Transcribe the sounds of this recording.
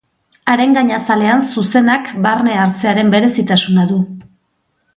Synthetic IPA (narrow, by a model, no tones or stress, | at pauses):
aɾe̞ŋɡaɲasale̞ansuse̞nakbarne̞aɾt͡se̞aɾe̞mbe̞ɾe̞sit̪asunaðu